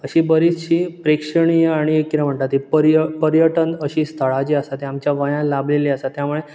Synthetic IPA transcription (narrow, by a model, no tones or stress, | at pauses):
əɕiːbəɾit͡sɕiːpɾekʂəɳijeaɽ̃ieːiɾam̤əɳt̪at̪ɦipəɾjəpəɾjəʈənəɕiːst̪ʰəɭad͡ʑeəsat̪eamt͡ɕjaʋəjãlableliəsat̪jamuɭe